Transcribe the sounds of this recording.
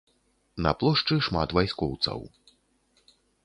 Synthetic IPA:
nɐ̰plˠɔʂt͡ʂɨʂmat̪vajskɔwt̪sɐ̰w

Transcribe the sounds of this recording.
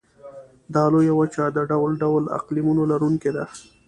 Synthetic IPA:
d̪ɑlojawat͡ʃɑd̪əɖawlɖawla̰qlimunolaɾuŋked̪a

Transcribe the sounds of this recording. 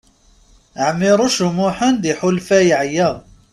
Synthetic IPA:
əʕmːɪɾˤoʃʊmʊħənd̪iħʊlfæjʕjæ

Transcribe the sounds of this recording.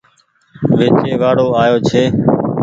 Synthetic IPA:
ʋeːt͡ʃeːʋaːɽoːaːjoːt͡ʃʰeː

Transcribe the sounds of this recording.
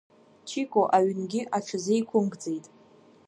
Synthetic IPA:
t͡ʃʰikʷʼoʔaɥnɡʲɪʔaʈ͡ʂʰɨzejkʷʰʊmɡʼd͡ze̞jtʼ

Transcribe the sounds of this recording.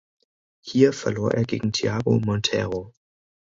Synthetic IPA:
hiːɐfɛɐloːɐʔeːɐɡeːɡŋ̩tʰiaːɡo̰mɔntʰɛ̰ʁo

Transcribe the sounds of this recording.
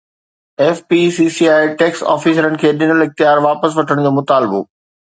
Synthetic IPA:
ɛːfpisiːsiaːiʈeːksɔ̰ːfiːs̬ɾənɪ̆kʰeːɗɪnəlɪxt̪ijaːɾʋaːpəs̬ʋɐʈʰəɽ̃d͡ʑoːmʊt̪aːlbo̰ː

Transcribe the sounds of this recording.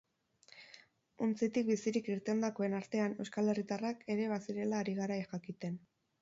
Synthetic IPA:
ont͡sit̪ik̚bisiɾikiɾt̪e̞nd̪ako̞e̞naɾt̪e̞ane̞wskale̞rit̪arake̞ɾe̞βasiɾe̞laːɾiɣaɾajxakit̪e̞n

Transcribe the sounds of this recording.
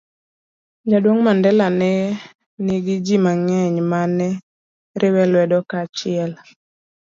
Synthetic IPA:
d͡ʒadwoŋmandɛlanɛ | niɡɪd͡ʒimaŋɛɲmanɛ | ɾʔɪwɛlwɛdɔkat͡ʃɪɛl

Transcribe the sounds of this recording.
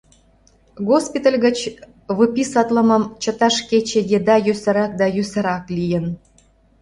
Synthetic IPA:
ɣospʲit̪əlʲɣə̆t͡ɕ | βɨpʲisɑt̪ləmə̆mt͡ɕə̆t̪ɑʃket͡ɕejed̪ɑjøsə̆ɾɑk̚d̪ɑjøsə̆ɾɑklʲijə̆n

